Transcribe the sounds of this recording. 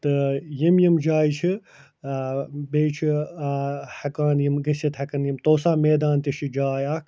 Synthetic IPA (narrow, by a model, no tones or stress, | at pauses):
t̪ɨjimjimd͡ʒaːit͡ʃʰi | beːt͡ʃʰi | hɐkaːnjimɡɐsɐt̪hɐkɐnjimt̪oːsaːmeːd̪aːnt̪iʃid͡ʒaːjaːkʰ